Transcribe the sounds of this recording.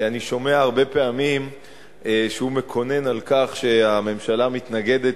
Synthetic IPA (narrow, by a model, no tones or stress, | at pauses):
aniʃo̞me̞aːʁbe̞peamim | ʃeume̞kʰo̞ne̞nalkaχʃe̞ame̞mʃalamit̪naɡe̞d̪e̞t